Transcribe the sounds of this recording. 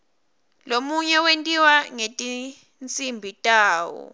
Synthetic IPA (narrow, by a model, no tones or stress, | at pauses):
lomuɲɛwentʼiwaŋetʼi | nt͡sʼimbʱitʼaːwɔ̰